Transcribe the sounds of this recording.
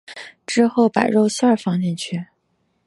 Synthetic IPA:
ʈ͡ʂɻ̩˥xo˥˩ʊpa˨˩ɪɻo˥˧ʊsa˞˥˩fɑ˥ŋt͡ɕɛ˥˧nt͡ɕʰy˥˩

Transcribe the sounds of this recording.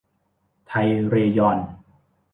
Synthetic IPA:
t̪ʰa˧jɾeː˧jɔ˧n

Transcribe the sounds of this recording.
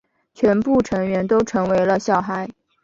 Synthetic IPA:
t͡ɕʰɥɛ˧˥npu˥˩ʈ͡ʂʰɤ˧˥ŋɥɛ˧˥nt̪o˥ʊʈ͡ʂʰɤ˧˥ŋwe˧˥ɪlə˧ɕjɑ˥˩ʊxa˧˥ɪ

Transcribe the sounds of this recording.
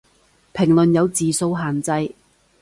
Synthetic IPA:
pʰɪ˨˩ŋlɵ˨njɐ˨˧wt͡siː˨so˧wɦaː˨nt͡sɐ˧j

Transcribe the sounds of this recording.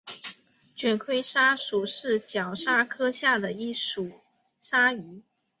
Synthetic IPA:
t͡ɕɥɛ˨˩nkʰwe˥ɪʂa˥ʂu˨˩ʂɻ̩˥˩t͡ɕjɑ˨˩ʊʂa˥kʰɤ˥ɕja˥˩d̪ə˩i˥˩ʂu˨˩˦ | ʂa˥y˧˥

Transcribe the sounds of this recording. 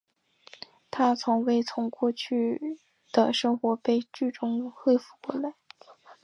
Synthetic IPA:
t̪ʰa˥t͡sʰʊ˧˥ŋwe˥˩ɪt͡sʰʊ˧˥ŋkwɔ˥˧t͡ɕʰy˥˩ | d̪̥ə˩ʂɤ˥ŋxwɔ˧˥pe˥˧ɪt͡ɕy˥˩ʈ͡ʂʊ˥ŋxwe˥˧ɪfu˥˩kwɔ˥la˧˥˦ɪ

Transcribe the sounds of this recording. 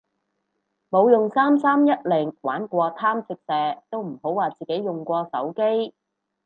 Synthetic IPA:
mo˨˧wjʊ˨ŋsaː˥msaː˥mjɐ˥t̚lɪ˨˩ŋwa̰ː˨˥nkʷɔː˧t̪ʰaː˥mt͡sɪ˨˧k̚sɛː˧t̪o˥wm̩˨˩ho˨˥waː˨˩t͡siː˨ke˨˥jjʊ˨˩ŋkʷɔː˧sɐ˨˥wke˥j

